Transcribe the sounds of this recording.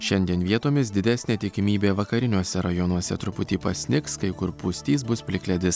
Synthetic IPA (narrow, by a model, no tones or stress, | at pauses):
ʃʲɛnʲd̪ʲiɛnʋʲiɛt̪oːmʲɪsd̪ʲɪd̪ʲæsʲnʲeːt̪ʲɪkʲɪmʲiːbʲeːʋɐkɐɾʲɪnʲuɔsʲɛɾɐjɔnuɔsʲɛt̪ɾʊpʊt̪ʲiːpɐsʲnʲɪkskɐɪkʊɾpʊsʲt̪ʲiːsbʊspʲlʲɪklʲɛd̪ʲɪs